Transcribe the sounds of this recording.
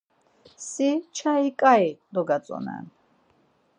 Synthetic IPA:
sit͡ʃʰaikʼaid̪ɔɡat̪sʼɔ̰nɛ̰n

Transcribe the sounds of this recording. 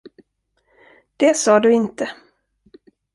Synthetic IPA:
d̪̥ɛsɑːd̪ɵɪnt̪ə

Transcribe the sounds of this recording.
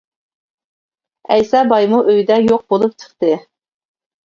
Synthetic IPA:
ɛjsɑbɑjmuʔøjd̪ɛjoq̚bolˠup̚t͡ʃʰə̥χt̪ɨ

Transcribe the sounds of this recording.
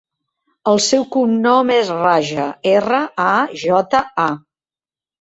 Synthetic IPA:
əlˠsɛwkumnɔmesraʒəerəaʒɔt̪əa

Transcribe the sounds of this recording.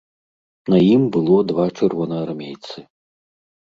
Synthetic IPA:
nɐjimbɨlˠɔd̪vat͡ʂɨrvɔnɐɐɾamʲejt̪sɨ

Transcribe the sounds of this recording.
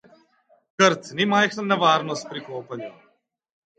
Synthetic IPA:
kəɾt̪snimajxnɐnɛʋaːɾnɔst̪̚pɾikoːpɐɲu

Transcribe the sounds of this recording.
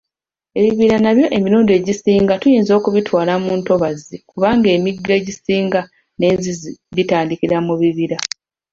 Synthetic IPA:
e̞βiβiɾanaβjo̞ʔe̞miɾuːnde̞ːɟisiːŋɡatujiːnzo̞ːkuβitwaːlamuːnto̞βazikuβaːŋɡe̞ːmiɡːe̞ːɟisiːŋɡa | ne̞ːnziziβitaːndiciɾamuβiβiɾa

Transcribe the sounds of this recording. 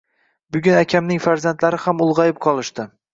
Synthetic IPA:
bʊɡʲʊnakʲʰamnɪŋfaɾzant̪laɾɪhamʊlˠʁɑjɪp̚qʰɒlˠɪʃt̪ɪ

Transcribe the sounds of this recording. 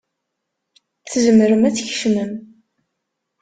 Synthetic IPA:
t͡sːəzəmɾəmæt͡sːçʃməm

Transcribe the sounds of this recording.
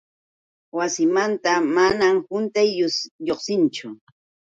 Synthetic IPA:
wasɪmant̪amanamhʊnt̪ajʎoχsɪnt͡ʃʊ

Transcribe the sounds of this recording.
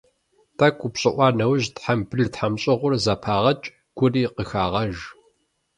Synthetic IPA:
tʰɐkʷʰʼʊpɕʼɪʔʷɑːnɐwʑtħambɨɮtħamɕʼɪʁʷʊrzɐpʰaːʁɐt͡ʃʼ | ɡ̥ʷʊriːqəxaːʁɐʒ

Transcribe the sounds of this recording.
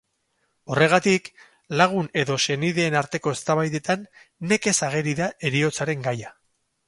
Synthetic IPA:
o̞re̞ɣ̞at̪ik | laɣ̞une̞ðo̞se̞niðe̞ːnaɾt̪e̞ko̞e̞st̪aβajðe̞t̪anːe̞ke̞saɣ̞e̞ɾiðaʔe̞ɾio̞t͡saɾe̞ŋɡaja

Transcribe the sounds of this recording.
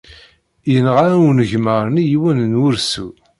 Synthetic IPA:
jənʁawnəʝməɾˤnijiwænnwʊɾsṵ

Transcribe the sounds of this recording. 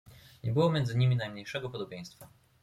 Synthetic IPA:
ɲɛbɘwɔmʲɛnd̪zɘɲimʲinajmɲejʂɛɡɔpɔd̪ɔbʲjẽj̃st̪fa

